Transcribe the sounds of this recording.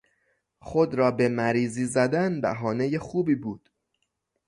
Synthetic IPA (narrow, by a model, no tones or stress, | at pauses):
xo̞d̪ɾɒːbe̞mæɾiːziːzæd̪ænbæ̰ɦɒːne̞jexuːbiːbuːd̪̥